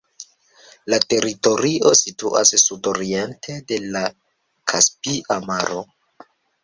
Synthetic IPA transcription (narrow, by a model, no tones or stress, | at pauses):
late̞ɾito̞ɾio̞situʔa̰sːudo̞ɾientʰe̞de̞la | kʰaspiʔamaɾo̞